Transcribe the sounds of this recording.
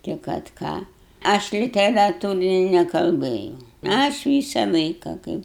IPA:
tʲɪ kɐt ˈkɑː ˈɐʃ lʲɪtʲɛrɐˈtuːrʲɪnʲɪ nʲɛkɐlˠˈbɘjɛʊ ɐʃ ˈʋʲiːsɐ ˈlˠɐɪkɐ ˈkɐɪp

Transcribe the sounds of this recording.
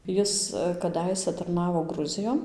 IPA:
ˈjɪs kɐˈdɐɪsʲæ tɐrˈnɑːʋoː ˈɡrʊzʲɪjoːn

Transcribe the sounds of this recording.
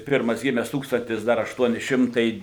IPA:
ˈpʲɪrmɐs ˈɡʲɪmʲɛs ˈtuːkstɐnʲtʲɪs ˈdɐr ɐʃˈtuɔnʲɪ ˈʃʲɪmtɐɪ

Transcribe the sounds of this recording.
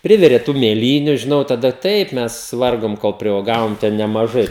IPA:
ˈpʲrʲɪʋʲɪrʲeː tuː mʲeːˈlʲiːnʲʊ ʒʲɪˈnɐʊ tɐˈdɐ ˈtɐɪp ˈmʲɛs ˈʋɐrɡoːm koːlˠ pʲrʲuɔˈɡɑːʋoːm tʲɛn nʲɛmɐˈʒɐɪ

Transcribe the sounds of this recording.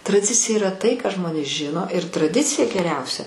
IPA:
trɐˈdʲɪt͡sʲɪjɛ iːˈrɐ tɐɪ kɑː ˈʒmoːnʲeːs ˈʒʲɪnoː ɪr trɐˈdʲɪt͡sʲɪjɛ ɡʲɛˈrʲɛʊsʲɛ

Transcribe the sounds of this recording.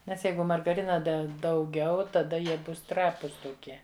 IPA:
ˈnʲɛs ˈjɛɪɡʊ mɐrɡɐˈrʲɪnɐ ˈdʲɛ dɐʊˈɡʲɛʊ tɐˈdɐ ˈjiɛ ˈbʊs ˈtrɑːpʊs toːˈkʲiɛ

